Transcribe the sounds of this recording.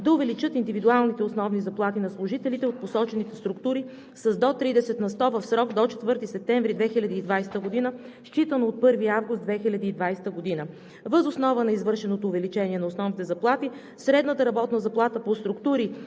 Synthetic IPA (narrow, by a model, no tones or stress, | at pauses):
d̪ɐʊvɛlit͡ʃɤt̪ind̪ivid̪ualˠnit̪ɛosnɔvnizɐplˠat̪inɐslˠʊʒit̪ɛlit̪ɛot̪̚posɔt͡ʃɛnit̪ɛst̪ɾʊkt̪uɾi | sɐzd̪ɔt̪ɾid̪ɛsɛt̪nɐst̪ɔvəfsɾɔɡd̪ɔt͡ʃɛ̥t̪vɤɾt̪isɛp̚t̪ɛɱvɾid̪vɛxilʲɐd̪iːd̪vajst̪əɡod̪inə | ʃt͡ʃit̪ənoːt̪̚pɤɾviavɡʊst̪d̪vɛxilʲɐd̪iːd̪vajst̪əɡod̪inə | vəzosnɔvənɐizvɤɾʃɛnot̪oːvɛlit͡ʃɛniɛnɐosnɔvnit̪ɛzɐplˠat̪i | sɾɛd̪nət̪əɾɐbɔt̪nəzɐplˠat̪əpost̪ɾʊkt̪uɾi